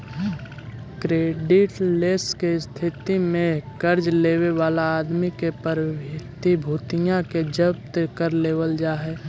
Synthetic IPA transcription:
kɾeːɖɪʈleːskest̪ʰɪt̪imẽkəɾd͡ʒleːweʋaːlaːd̪mikepəɾbɪt̪ibʱuːt̪ɪjãked͡ʒəp̚t̪kəɾleːwəld͡ʒaːɦɛː

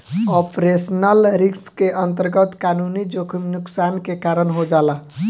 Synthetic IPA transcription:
ɔpɾesnəlɾikskeʔənt̪əɾɡət̪kaːnunid͡ʒokʰnʊksaːnkekaːɾənɦod͡ʒaːla

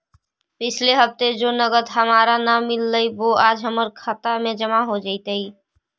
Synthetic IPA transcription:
pɪt͡ʃʰleɦəpt̪ed͡ʒonəɡəd̪ɦəmaːɾanamːɪlːəiʋoaːd͡ʒɦəməɾkʰat̪amẽd͡ʒəmaɦod͡ʒaɪt̪ei

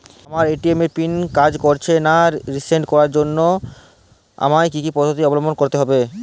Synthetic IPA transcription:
amaɾeʈiemeɾpinkad͡ʑkoɾt͡ɕʰenaɾiseɳʈkɔɾaɾd͡ʑonːo | a̰majkikipɔd̪ʱʰot̪̬iɔbolombonkoɾt̪eɦɔbe

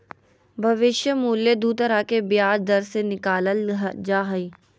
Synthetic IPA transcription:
bʱɐʋɪʃjəmuːljəd̪uːt̪əɾakebjaːd͡ʒd̪ɐɾsenɪkaːləld͡ʒaːɦɐiː

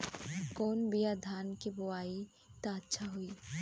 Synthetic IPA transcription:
konbijad̪ʱankeboai | t̪aːtːʃʰaɦui

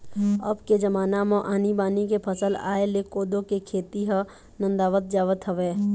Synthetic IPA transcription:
əbked͡ʒɐmaːnamõʔaːnibaːnikepʰəsəla̰ːelekoːd̪õkekʰeːt̪iɦə | nə̃nd̪aːʋət̪̚d͡ʒaːʋət̪ɦəʋeː

